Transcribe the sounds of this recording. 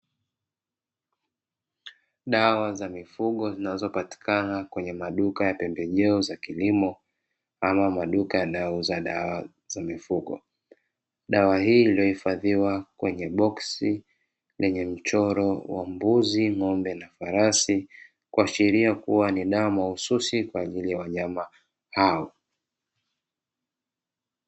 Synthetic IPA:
ɗawazamifuɠɔzinazɔpati̥kanakwɛɲɛmaɗukajapɛmbɛʄɛɔzakilimɔ | amamaɗukajaɗauzaɗa̰wa | z̥amifuɠɔ̰ | ɗawahiːlijɔhifaðiwakwɛɲɛɓɔksi | lɛɲɛm̩t͡ʃɔɾɔwa̰mbuziŋɔmbɛnafaɾasi | kuaʃiɾiakuwaniɗawamaususikwaːʄilijawaɲama | haɔ

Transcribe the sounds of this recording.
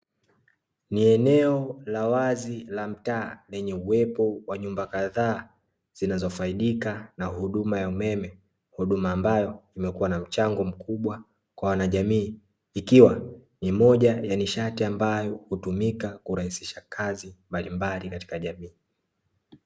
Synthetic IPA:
niɛnɛɔlawazilam̩taːlɛɲɛuwɛpɔwaɲumbakaðaː | z̥inazɔfaiɗikanahuɗumajaumɛmɛ | huɗumaːmbajɔimɛkuwanam̩t͡ʃaŋɡɔm̩kʰuɓwa | kwawanaʄamiː | ikiwa | nimɔʄajaniʃatiambajɔhutumikakuɾahisi̥ʃakʰazimbalimbalikati̥kaʄamiː

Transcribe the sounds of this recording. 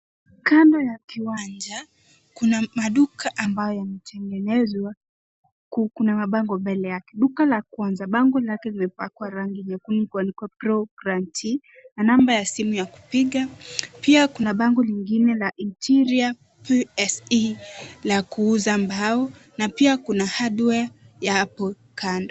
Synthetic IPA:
kandɔjakiwand͡ʒa | kunamaɗukʰaʔambajɔjanɛtʰɛŋɡɛnɛzwa | kukunamaɓaŋɡɔmbɛlɛjakɛɗukalakwanzaɓaŋɡɔlakɛlimɛpakwaɾaŋɡiɲɛkunim̩kuanikwapɾɔɡɾantʰi | nanambajasimujaku̥piɠapiakunaɓaŋɡɔliŋɡinɛlaʔintʰiɾia | piɛsilakuuzambaɔ | napiakunahaɗua | jaapɔ | kʰandɔ

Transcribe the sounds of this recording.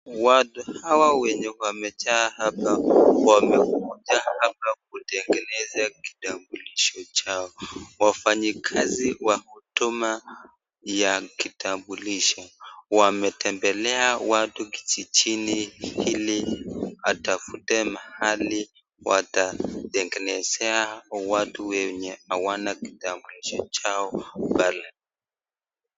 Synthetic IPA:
watuhawawɛɲɛwamɛt͡ʃaːhapawamɛkud͡ʒahapak̚utɛŋɡɛnɛzaki̥tambuliʃɔt͡ʃaɔwafaɲikʰaziwahutuma | jakitambuliʃɔwamɛtɛmbɛlɛawatuki̥t͡ʃit͡ʃinihiliatafutɛmahali | wʔa̰taɗɛŋɡɛnɛzɛawatuwɛɲɛawanaki̥tambuliʃɔt͡ʃaɔbala

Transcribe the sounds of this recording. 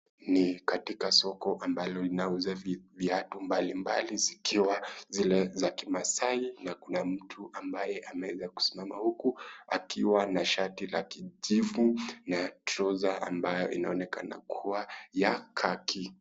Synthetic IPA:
nikatikasɔkɔʔambalɔlinauzavviatumbalimbalizikʰiwazilɛzakimasainakunam̩tʰuʔambajɛʔamɛwɛzaku̥si̥mamahukua̰kʰiwanaʃatila̰kiʄivunatɾɔzaʔambajɔʔḭnaɔnɛka̰na̰kʰuwajakʰakʰi

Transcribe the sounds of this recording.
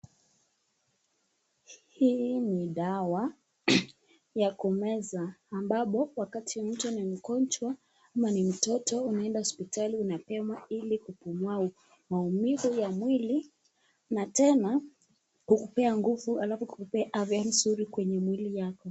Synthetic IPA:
hiːniɗawa | jakɔmɛzaːmbaɓɔwakatʰim̩tɔnim̩kɔnt͡ʃwa | amanim̩tɔtɔunaɛndahɔspitaliunapɛmwailikupumuwau | maumiɣujamwili | natɛna | kukupɛaŋɡuvualafɔkukupɛʔavian̩suɾikwɛɲɛmwilijakɔ

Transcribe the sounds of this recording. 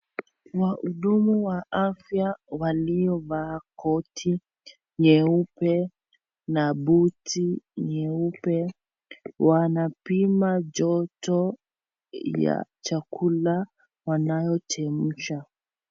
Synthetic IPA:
waʔuɗumuwaʔafjawalijɔvaːkʰɔtʰi | ɲɛupɛ | naɓutiɲɛupɛ | wanapimad͡ʒɔtɔ | ja̰t͡ʃakʰula | wanajɔt͡ʃɛm̩ʃa

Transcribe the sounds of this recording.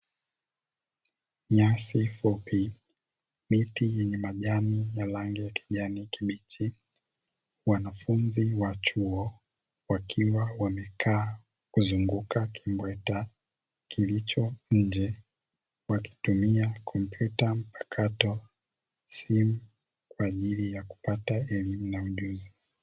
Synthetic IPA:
ɲasifɔpʰi | mitijɛɲɛmaʄamijalaŋɡɛjaki̥ʄanikimit͡ʃi | wanafunziwat͡ʃuɔ | wakʰiwawamɛkʰaː | kuzuŋɡukakʰimbwɛta | kilit͡ʃɔɲ̩d͡ʒɛ | waki̥tumiakʰɔm̩pjutam̩pḁkʰatɔ | simu | kwaːʄilijaku̥pataɛlimunauʄuzi

